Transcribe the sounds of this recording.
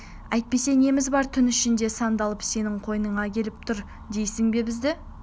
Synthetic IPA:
æjt̪̚pe̞se̞ne̞mɪzbɑɾt̪ʰʏnʏʃɪnd̪e̞sɑnd̪ɑlˠəpse̞nɪɴqʰo̞jənəɴʁɑkʲʰe̞lɪp̚t̪ʰʊɾ | d̪e̞jsɪŋbe̞bɪzd̪ɪ

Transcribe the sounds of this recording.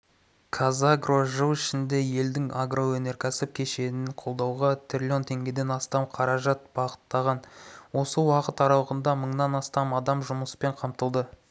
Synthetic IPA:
kʰazaɡroʒəwɪʃɪnd̪e̞je̞ld̪ɪŋaɡro̞wɵne̞ɾkʲʰæsɪp̚kʲʰe̞ʃe̞nɪɴqʰo̞lˠd̪ɑwʁɑt̪ʰɾʲɪlʲo̞nt̪ʰe̞ŋɡʲe̞d̪e̞nɑst̪ɑmqʰɑɾɑʒɑt̪̚bɑʁə̥t̪ːɑʁɑnwo̞səwɑqət̪ɑɾɑwəʁənd̪ɑməɴnɑnɑst̪ɑmɑd̪ɑmʒʊməspe̞ɴqʰɑmt̪əlˠd̪ə

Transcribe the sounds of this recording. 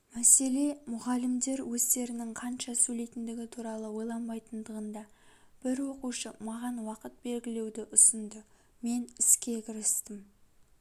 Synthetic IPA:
mæse̞le̞mʊʁɑlɪmd̪e̞ɾwɵzt̪e̞ɾɪnɪŋqʰɑnʃɑsɵle̞jt̪ɪnd̪ɪɡʲɪt̪ʰuɾɑlˠəwo̞jlˠɑnbɑjt̪ənd̪əʁənd̪ɑb̥ɪɾwo̞quʃəmɑʁɑnwɑqət̪̚be̞lɡʲɪle̞wd̪ɪʔʊsənd̪ə | me̞nɪskʲe̞kʲʰɪɾɪst̪ɪm

